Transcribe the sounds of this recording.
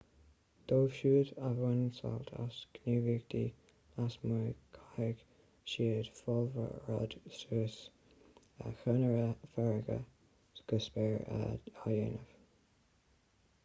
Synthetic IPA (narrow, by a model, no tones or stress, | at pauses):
d̪̥oːv̥ʃuːdavwɛnnsa̰lt̪ʰa̰skniːviːɡd̪iː | asmuːkʰajəɡ̥ | ʃiːəd̪fɔlvə̰ɹɔ̰d̪̥suːs | əxənəɹəfɛɹɡə̰ | sɡ̥ʊsbɛɹaajenəv